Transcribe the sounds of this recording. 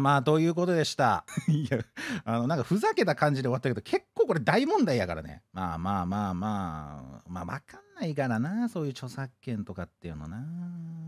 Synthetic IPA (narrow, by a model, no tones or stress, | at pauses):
maːd̪o̞ːjɯ̟ːk̬o̞t̪o̞d̪e̞ɕi̥t̪a̰jaano̞nãŋkaɸɯ̟zake̞t̪akãɲ̟d͡ʑid̪e̞at̪ːaked̪okʰe̞kːo̞ːko̞ɾe̞d̪aimõ̞nd̪aid̪akaɾa̰nḛma̰ːmaːmaːmaːma̰ːβa̰kanːaikaɾanaːso̞ːjɯ̟ːt͡ɕo̞sakːẽ̞nt̪o̞kat̪ːe̞iɯ̟no̞̰naː